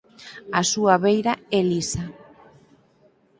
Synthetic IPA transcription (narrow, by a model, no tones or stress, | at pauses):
asuaβejɾaɛlisa